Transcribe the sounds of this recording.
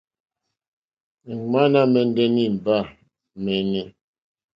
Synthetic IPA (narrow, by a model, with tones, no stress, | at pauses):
ma˦na˦mɛ˨n˦dɛ˦ni˦m̩˨ba˦˨ | mɛ˨nɛ˨